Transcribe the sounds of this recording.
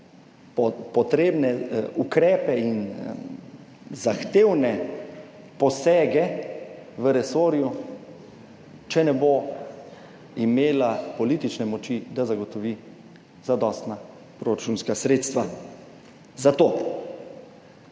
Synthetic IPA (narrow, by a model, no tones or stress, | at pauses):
pɔt̪ɾeːbnɛukɾɛːpɛin | zaxt̪eːwnɛ | pɔsɛːɡɛ | ʋəɾɛsoːɾju | t͡ʃɛnɛbo | imeːlapɔlit̪it͡ʃnɛmɔt͡ʃid̪azaɡɔt̪ɔʋi | zad̪ɔːst̪na | pɾoɾat͡ʃunskasɾeːt̪st̪ʋa | zat̪oː